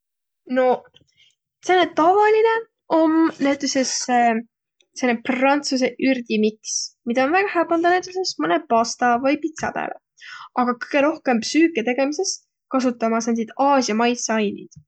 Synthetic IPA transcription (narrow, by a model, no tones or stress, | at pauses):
no̞ | t̪senːet̪ɑvɑline̞ | ʔo̞mnæt̪ˑːusese | senːeprɑnt̪sus̬e̞ʔyrd̪̥imiksmid̪̥ɑonvæɡ̥ɑhæpɑnd̪ɑnæt̪ːˑuse̞smɯne̞pɑst̪ɑvɤjpit̪sɑ̰pæ̰ːlḛ | ɑɡ̥ɑkɯ̥jɡ̥e̞ɾo̞hke̞mpsyːkːˑet̪e̞ɡ̥e̞mise̞st̪ | kɑsut̪ːˑɑmɑsnend̪id̪̥ɑːsjɑmɑjsɑjnḭd̪̥